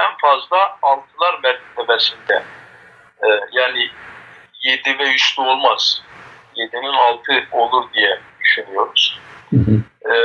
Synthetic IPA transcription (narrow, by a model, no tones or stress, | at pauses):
ænfazlˠaːlˠt̪ʰɯlˠaɾmɛɾt̪ʰi̥t̪ʰɛvɛsind̪ɛ | jaːni | jed̪ivɛjyst̪ʰuo̞lˠmaz̥ | jed̪ininɑlˠt̪ʰɯo̞lˠuɾd̪ijɛd̪yʃynijo̞ɾuz̥